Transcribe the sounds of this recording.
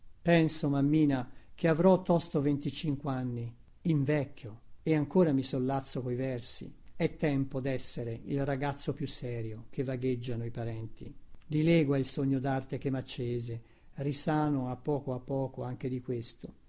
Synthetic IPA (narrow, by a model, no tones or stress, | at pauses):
pɛnsomamːiːnak̟ʰeavɾɔt̪ːɔst̪ovent̪it͡ʃiŋkweanːi | iɱvɛkːjoeaŋkoːɾamisolːat̪sːokoivɛrsḭɛt̪ːɛmpod̪ɛsːeɾeilraɡat̪sːopjusːɛːɾjokevːaɡed͡ʒːanoipaɾɛnt̪ḭd̪ilɛːɡwailsoɲːod̪art̪ek̟emːat͡ʃːeːze | risaːnoapːɔːkoapːɔːkoaŋk̟ed̪ikwest̪o